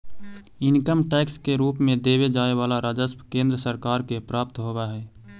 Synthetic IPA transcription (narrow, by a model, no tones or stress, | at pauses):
ɪnkəmʈɛːkskeɾuːpmẽd̪eːbed͡ʒaːeʋaːlaɾaːd͡ʒəspkẽːnd̪ɾəsəɾkaːɾkepɾaːp̚t̪ɦoːbaɦɛː